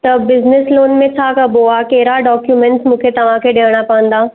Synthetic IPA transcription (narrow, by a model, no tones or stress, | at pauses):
t̪ɐbɪznɪsloːnmẽt͡ʃʰakɐboakeɦɾaɖɔːkjumɛ̃ɳʈsmũːkʰet̪ɐʋ̤ãkʰeɗeːɽ̃apɐʋə̃nd̪aː